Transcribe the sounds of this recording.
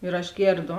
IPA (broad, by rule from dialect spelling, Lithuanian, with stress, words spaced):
ɪr ɐʃ ˈɡʲeːrˌdoː